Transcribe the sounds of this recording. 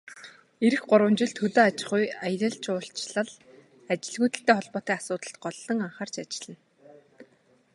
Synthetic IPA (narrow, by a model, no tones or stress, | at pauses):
eɾɘ̆xɢʊɾwə̆mt͡ɕɪ̆ɮt̪ʰɵt̪oːat͡ɕɪ̆χujaj̆ɾə̆ɬt͡ɕʊːɬt͡ɕɮə̆ɮ | at͡ɕɪ̆ɮɣuːjt̪ɘ̆ɬt̪eːχɔɮpɔːt̪iːasʊːt̪ə̆ɬt̪̚ɢɔɮːɞ̆ŋaɴχaːrt͡ɕat͡ɕɪ̆ɮə̆n